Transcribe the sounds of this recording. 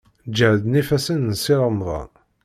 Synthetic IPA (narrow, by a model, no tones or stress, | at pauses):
d͡ʒəʕðnifæsənnsiɾˤəmðˤɑ̰